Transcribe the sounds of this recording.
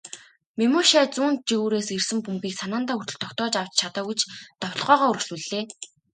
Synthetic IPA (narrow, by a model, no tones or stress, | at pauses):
mimoːʃæːt͡suːnt̪̚t͡ɕiɣuːɾeːsersɘ̆mpumɡiːksanaːnt̪aːurt̪ɵ̆ɮt̪ʰɔkt̪ɔːt͡ɕaw̥t͡ɕt͡ɕʰat̪aːut͡ɕt̪ɔwɮʁœːʁaːɵɾɵ̆xsŭɮeː